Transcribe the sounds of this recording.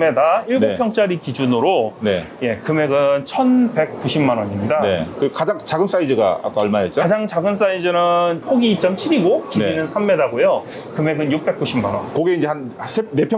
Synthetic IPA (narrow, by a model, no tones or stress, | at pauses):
me̞daiɭɡnopʰjʌŋt͡ɕ͈aɾikid͡ʑunɯɾoneje̞kɯme̞ɡɯnt͡ɕʰʌnbe̞k̚k͈uɕʰimːanwʌɲimɲidaekɯkad͡ʑaŋt͡ɕaɡɯns͈aid͡ʑɯɡa̰a̰k͈aʌɭmaet̚t͡ɕokad͡ʑaŋt͡ɕaɡɯns͈aid͡ʑɯnɯnpʰoɡiːt͡ɕ͈ʌmt͡ɕʰiɾiɡokibinɯnsʰamːe̞daɡojo | kɯme̞ɡɯnjuk̚p͈e̞k͈uɕʰimːanwʌ̰nkoɡeind͡ʑe̞hansʰenepʰjʌ